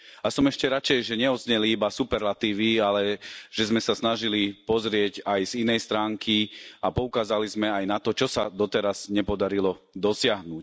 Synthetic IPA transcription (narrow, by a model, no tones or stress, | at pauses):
asɔmɛʃcɛɾat͡ʃɛjʒɛɲɛɔzɲɛliibasupɛɾlat̪iːʋialɛʒ̥ɛzmɛsasnaʒilipɔzɾɪɛɟajz̥inɛjst̪ɾaːŋkʰiapɔukaːzalizmɛajnat̪ɔt͡ʃɔsad̪ɔt̪ɛɾaz̥ɲɛpɔd̪aɾilɔ | d̪ɔsɪaɦnuc